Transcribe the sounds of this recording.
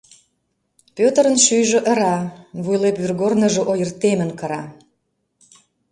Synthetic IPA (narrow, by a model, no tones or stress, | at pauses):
pøt̪əɾə̆nʃyjʒə̆ʔəɾɑβujlepβyrɣornə̆ʒŏʔojərt̪emə̆nkəɾɑ